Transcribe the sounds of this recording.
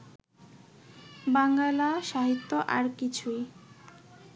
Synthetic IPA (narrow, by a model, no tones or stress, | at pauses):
baŋɡalaʃaɦit̪ːoʔa̰ɾkit͡ɕʰuj